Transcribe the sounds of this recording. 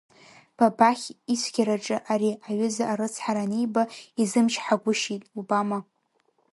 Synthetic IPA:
b̥abaχʲisʷʰɡʲaɾaʈ͡ʂʼɨʔaɾiaɥʏzaʔaɾɨt͡sʰħaɾanejbaizɨmʃʰħaɡʷʊʃitʼubama

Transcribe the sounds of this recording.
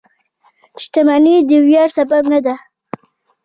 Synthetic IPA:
ʃt̪amanid̪əwjɑɾsababnad̪a

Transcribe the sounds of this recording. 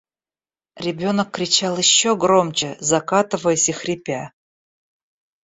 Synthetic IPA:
ɾʲɪbʲo̞nəkːɾʲɪt͡ɕalˠjɪɕːoɡɾomt͡ɕɪzɐkat̪ɨvəjəsʲixɾʲɪpʲa

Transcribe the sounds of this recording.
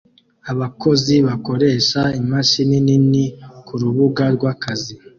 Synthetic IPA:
aβako̞ziβako̞ɾe̞ʃaimaʃinininikuɾuβuɡaɾɡwakazi

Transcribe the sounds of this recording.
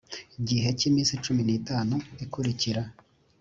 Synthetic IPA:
iɟiɦe̞ciːmĩːnsit͡ʃuminiːtaːnuikuɾiciɾa

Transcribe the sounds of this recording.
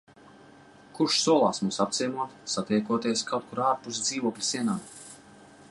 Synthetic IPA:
kuʃsuɔlˠa̰ːsmuːsap̚t̪sʲijmuɔt̪sat̪ɛjkuɔt̪iɛskʰawt̪̚kuɾaːɾpusd̪ziːvuɔklʲi̥siɛnaːd̪

